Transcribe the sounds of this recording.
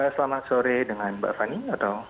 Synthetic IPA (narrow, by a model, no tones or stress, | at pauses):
əsəlamasoɾedəŋãnba̰ʔfaniat̪aw